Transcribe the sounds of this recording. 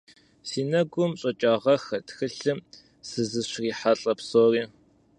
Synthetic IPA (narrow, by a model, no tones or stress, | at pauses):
siːnɐɡʷʊmɕʼɐt͡ʃʼaːʁɐxɐtxɨɬɨm | sɨzɨɕriːħaɬʼɐpsoːriː